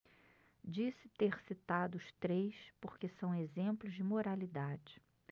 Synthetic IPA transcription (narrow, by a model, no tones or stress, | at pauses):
d͡ʒisɪ̥t̪eɾsit̪ad̪ʊːʃt̪ɾejspoɾkesɐ̃w̃ezẽmplʊzd͡ʒɪmoɾalid̪ad͡ʒɪ